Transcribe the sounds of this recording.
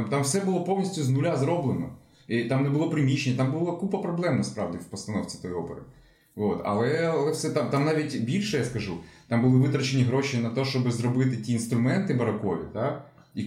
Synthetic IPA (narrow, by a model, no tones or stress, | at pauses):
mt̪ɑmwsɛbʊlˠɔpɔwnʲisʲtʲʊznʊlʲazɾɔblˠenɔ̰ | it̪ɑmnɛbʊlˠɔpɾɪmʲiʃenʲːɐt̪ɑmbʊlˠakupɐpɾɔblˠɛmnɐspɾɑ̰ʋdʲɪwpɔst̪ɐnɔwt͡sʲi̥t̪ɔjiɔpḛɾɪ̰ | ʋot̪ɐ̰lˠɛɐlˠɛfsɛt̪amt̪ɑmnɑʋʲitʲbʲilʲʃɛjaskɐʒut̪ɑmbʊlˠɪʋɪt̪ɾɐt͡ʃenʲiɦɾoʃinɐt̪ɔʃt͡ʃɔbɪzɾɔbɪt̪ɪtʲiːnst̪ɾʊmɛnt̪ɪbɐɾɐkɔʋʲḭt̪a | i